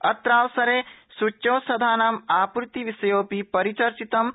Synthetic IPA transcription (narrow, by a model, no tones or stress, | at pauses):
ɐt̪ɾaːwsɐɾeːsut͡ʃːoːsɐd̪ʱaːnaːmaːpɾt̪iʋisɐjoːpipɐɾit͡ʃɐɾt͡ʃit̪ɐm